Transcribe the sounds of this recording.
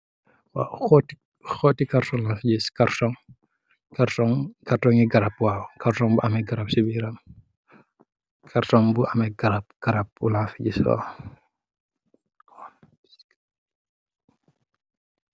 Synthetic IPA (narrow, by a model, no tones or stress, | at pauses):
wa̰ɔt | xɔtːikaɾtɔŋlafɟiskaɾtɔŋ | kaɾtɔŋkartɔŋiɡɐɾap̚waːwkaɾtɔŋbuʔamɛɡaɾap̚sibiɾɐm | kʰaɾtɔŋbuʔamɛɡɐɾap̚ɡ̥aɾap̚ulafiɟisɔ̰